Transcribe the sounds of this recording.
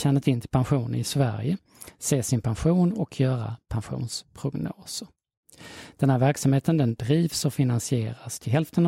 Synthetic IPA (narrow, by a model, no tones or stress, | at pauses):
ɕɛnːət̪ɪnt̪ʰɪlpʰanɧuːnə̰nɪsvæ̰ɾjə | seːsɪnpʰanɧuːnɔkʰjœːɾa̰pʰanɧṵːnspʰɾʊɡno̰ːsəɾ | d̪̥ɛnhæːɾvæɾksamheːt̪ənd̪ɛnd̪ɾiːvsɔfɪnansɪeːɾast̪ʰɪlɦɛlft̪ən